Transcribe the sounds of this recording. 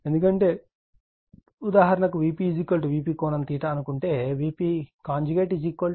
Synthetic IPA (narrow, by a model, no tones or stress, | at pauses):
end̪ukɐɳʈe̞ː | ud̪aːɦɐɾɐnɐkuʋiːpid͡ʒikːɐɭʈuʋiːpiːkɔːnɐmt̪iːʈɐːnukuɳʈe̞ːʋiːpiːkaːɲd͡ʒuɡeːʈid͡ʒiːkːɐl